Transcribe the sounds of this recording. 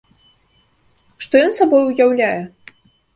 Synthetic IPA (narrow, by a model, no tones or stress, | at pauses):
ʂt̪ɔjɔnsabɔjujawlʲajɛ